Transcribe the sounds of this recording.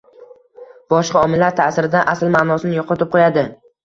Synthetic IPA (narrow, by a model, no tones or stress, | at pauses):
b̥ɒʃqɑɒmɪlːaɾt̪ʰasɪɾɪd̪aʔasɪlmaːnɒsɪnɪjɒqʰɒt̪ʰɪp̚qʰojad̪ɪ